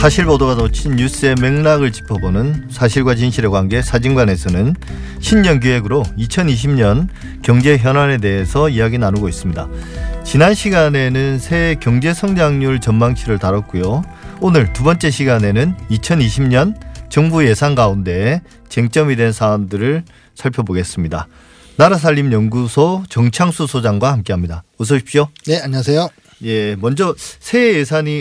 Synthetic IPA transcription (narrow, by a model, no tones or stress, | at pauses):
sʰaɕʰiɭpodoɡadot͡ɕʰinːus͈ɯe̞me̞ŋnaɡɯɭt͡ɕi̥pʰʌbonɯnsʰaɕʰiɭɡwat͡ɕinɕʰiɾeɡwaɦanɡe̞sʰad͡ʑiŋɡwane̞sʰʌnɯn | ɕʰimɲʌnɡ̬uɦe̞ɡɯɾoit͡ɕʰʌniɕ̬ʰimɲʌn | kjʌŋd͡ʑe̞çjʌnane̞de̞ɦesʰʌijaɡinanuɡois͈ɯmɲidat͡ɕinanɕʰiɡane̞nɯnsʰe̞kjʌŋd͡ʑe̞sʰʌŋɲaŋɲuɭt͡ɕʌnmaŋɕʰiɾɯɭtaɾʌt̚k͈ujo | onɯɭtubʌnt͡ɕ͈e̞ɕʰiɡane̞nɯnit͡ɕʰʌniɕʰimɲʌnt͡ɕʌŋbuje̞sʰanɡaunde̞ | t͡ɕeŋt͡ɕ͈ʌmidwe̞nsʰaːmdɯɾɯɭ | sʰaɭpʰjʌboɡe̞s͈ɯmɲida | naɾas̬ʰaʎːimjʌnɡusʰot͡ɕʌŋt͡ɕʰaŋsʰusʰod͡ʑaŋɡwahamk͈e̞ɦamɲidaos̬ʰʌɕʰi̥pɕ͈oneaɲas̬ʰejo | je̞mʌnd͡ʑʌsʰe̞jesʰaɲi